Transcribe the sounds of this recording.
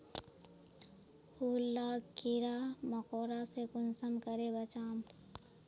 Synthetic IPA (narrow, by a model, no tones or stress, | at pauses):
huːlːaːkiɾaməkoːɾasekʊnsəmkəɾebət͡ʃaːm